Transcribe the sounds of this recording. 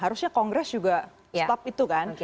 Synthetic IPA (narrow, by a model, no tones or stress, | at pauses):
ɦaɾusɲakɔŋɡɾɛsd͡ʒuɡa | t̪ɔp̚it̪ukan